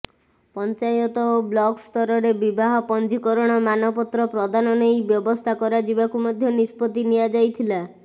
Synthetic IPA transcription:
pɔnt͡ʃajɔt̪ɔoblɔkst̪ɔɾɔɾebibaɦɔpɔnd͡ʒikɔɾɔɽ̃ɔmanɔpɔt̪ɾɔpɾɔd̪anɔnejbjɔbɔst̪ʰakɔɾad͡ʒibakumɔd̪ʱjɔnispɔt̪inijad͡ʒajt̪ʰila

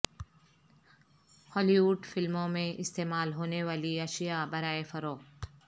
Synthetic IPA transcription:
hɔːliʋʊɖfɪlmõmẽʔɪst̪eːmaːlɦoːneʋaːliɐʃijabɐɾaːefɐɾoː

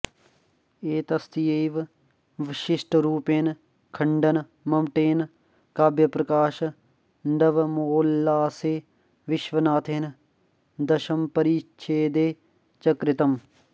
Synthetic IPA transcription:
eːt̪ɐst̪ijeːʋ | ʋɪʃɪsʈɾuːpeːn | kʰɐɳɖɐn | mɐmʈeːn | kaːbjɐpɾɐkaːʃ | ɳɖɐʋmoːlːaːseː | ʋɪʃʋɐnaːt̪ʰeːn | d̪ɐʃɐmpɐɾiːt͡ʃʰeːd̪eː | t͡ʃɐkɾɪt̪ɐm

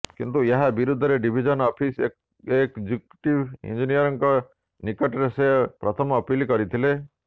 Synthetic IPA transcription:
kint̪ueɦabiɾud̪ʱːɔɾeɖibʱid͡ʒɔnɔpʰise | ekd͡ʒuk̚ʈibḭnd͡ʒinijɔɾɔŋkɔ | nikɔʈɔɾesepɾɔt̪ʰɔmːpilkɔɾit̪ʰile

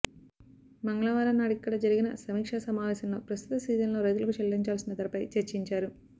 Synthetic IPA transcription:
mɐŋɡɐɭaːʋaːɾɐnːaːɽikːɐɽɐd͡ʒɐɾiɡinɐ̰sɐmiːkʂasɐmaːʋɛːsɐmlo̞ːpɾɐst̪ut̪ɐsiːzɐnlo̞ːɾɐjt̪ulɐkut͡ʃɐlːiɲt͡ʃaːlsinɐt̪ɐɾɐpɐjt͡ʃeɾt͡ʃiɲt͡ʃaːɾu

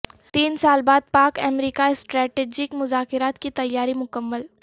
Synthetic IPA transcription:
t̪iːnsaːlbaːd̪̚paːkɐmɾiːkaɪsʈɾɛːʈeːd͡ʒɪkmʊzaːkɪɾaːt̪kit̪ɐjːaːɾimʊkəmːəl

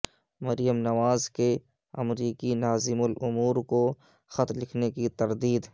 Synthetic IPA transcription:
mɐɾjəmnɐʋaːzke | ɐ̰mɾiːkinaːzɪmʊlʊmuːɾko | xɐt̪lɪkʰnekit̪ɐɾd̪iːd̪

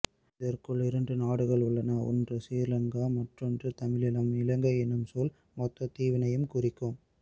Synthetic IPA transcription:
ɪðɐɾkɯɭɪɾɐnɖɯnaːɽɯɣɐɭʊɭːɐnɐɔ̰ndrɯsiːɾlɐŋɡɐmɐʈrɯndrɯt̪ɐmɪɭɪlɐmɪlɐŋɡɐɛnːɯmsɔl | mɔt̪ːɐt̪iːʋɪnɐjɯmkʊrɪkːɯm

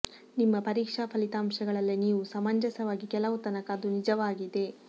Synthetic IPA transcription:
nimːɐpɐɾiːkʂapʰɐlit̪aːmʂɐɡɐɭɐlːiniːʋusɐmɐɲd͡ʒɐsɐʋaːɡikɛlɐʋut̪ɐnɐkaːd̪unid͡ʒɐʋaːɡid̪e̞

